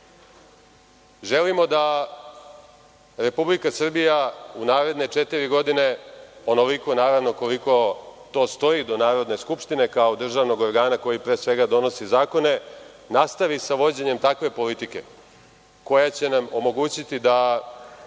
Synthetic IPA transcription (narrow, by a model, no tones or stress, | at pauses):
ʒe̞limo̞d̪a | ɾe̞publikasr̩bijaunaːɾe̞d̪ne̞t͡ʂet̪iɾiɡo̞d̪ine̞o̞no̞liko̞naːɾaʋno̞ko̞liko̞t̪o̞ːst̪o̞id̪o̞naːɾo̞d̪ne̞skupʂt̪ine̞kao̞d̪r̩ʒaːʋno̞ɡo̞ɾɡaːnako̞jipɾeːsʋe̞ɡad̪o̞no̞sizaːko̞ne̞ | nast̪aʋisaʋo̞d͡ʑeɲe̞mt̪akʋe̞po̞lit̪ike̞̰ | ko̞jat͡ɕe̞namo̞mo̞ɡuːt͡ɕit̪id̪a